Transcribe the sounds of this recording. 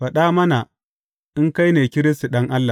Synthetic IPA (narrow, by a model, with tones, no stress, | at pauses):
ɸa˨ɗa˦mɐ˦na˨ | i˦ŋka˦jneː˨kʲɪ˦ɾi˦sti˨ɗɐ˦ŋʔa˦lːa˨